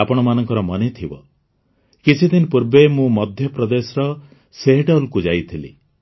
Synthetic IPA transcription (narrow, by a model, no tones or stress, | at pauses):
apɔɽ̃ɔmanɔŋkɔɾɔmɔnet̪ʰibɔ | kit͡ʃʰid̪inpuɾbemũmɔd̪ʱjɔpɾɔd̪esɔɾɔ | seɦɖɔlkud͡ʒajt̪ʰilḭ